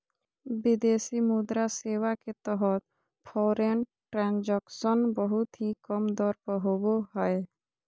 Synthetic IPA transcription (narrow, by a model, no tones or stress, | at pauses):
bɪd̪eːsimud̪ɾaseːwaket̪əɦət̪̚ | pʰɔːɾenʈɾɛ̃ːnd͡ʒəkʃənbəɦʊt̪ɦikəmd̪ɔːɾpəɦoboɦɛe